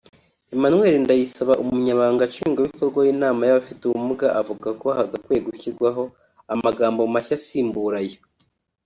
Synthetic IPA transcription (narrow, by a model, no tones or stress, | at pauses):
emanwe̞ːɾindajisaβaʔumuɲaβaːŋɡat͡ʃiiːŋɡoβiko̞ɾɡwajiːnaːmajaβafituwumuɡaʔavuɡakohaɡakwe̞ːɡuçiɾɡwaɦo̞ | amaɡaːmbomaçasiːmbuɾaje